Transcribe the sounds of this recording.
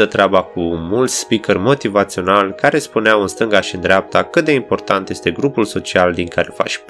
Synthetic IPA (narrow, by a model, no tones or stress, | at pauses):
ət̪ɾeabakumult̪sʲspikərmo̞t̪ivat̪sio̞nalkaɾe̞spuneawɨnst̪ɨŋɡaʃind̪ɾeap̚t̪akɨt̪̚d̪e̞impo̞rt̪ant̪je̞st̪e̞ɡɾupulso̞t͡ʃiald̪iŋkaɾe̞fa̰ʃʲ